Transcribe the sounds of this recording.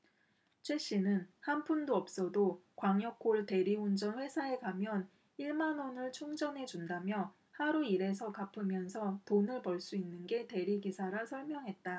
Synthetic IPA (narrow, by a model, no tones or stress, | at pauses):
t͡ɕʰwe̞ɕ͈inɯnhanpʰundoʌp̚s͈ʌdokwaŋjʌk͈ʰːoɭte̞ɾiund͡ʑʌnɸwe̞sʰae̞kamjʌn | iɭmanonɯɭt͡ɕʰoŋd͡ʑʌnɦe̞d͡ʑundamjʌ | haɾuiɾe̞sʰʌkapʰɯmjʌnsʰʌtonɯɭpʌɭs͈uinːɯnɡe̞te̞ɾiɡisʰaɾɯsʰʌɭmjʌŋɦe̞t̚t͈a